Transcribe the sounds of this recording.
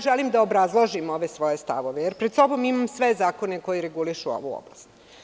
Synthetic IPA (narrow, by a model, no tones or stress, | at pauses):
ʒeliːmd̪aobɾazlˠoʒimo̞ʋesʋo̞jest̪a̰ʋo̞ʋejeɾpɾed̪so̞bo̞mimamsʋe̞zaːko̞ne̞ko̞jiɾeɡuliʃuo̰ʋṵo̰blastt̪